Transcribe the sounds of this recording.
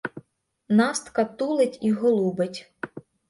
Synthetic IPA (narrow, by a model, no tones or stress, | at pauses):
nɑst̪kɐt̪ulˠɪtʲiɦɔlˠubetʲ